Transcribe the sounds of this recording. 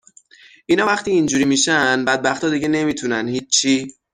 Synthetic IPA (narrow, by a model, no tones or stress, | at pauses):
ʔiːnɒːvæxt̪ʰiːnd͡ʒuːɾimiːʃænbæd̪̚bæxt̪ɒːd̪iɟene̞miːt̪ʰunænhiːiː